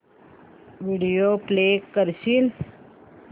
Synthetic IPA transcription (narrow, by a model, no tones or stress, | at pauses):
ʋiɖijoːpleːkːəɾsil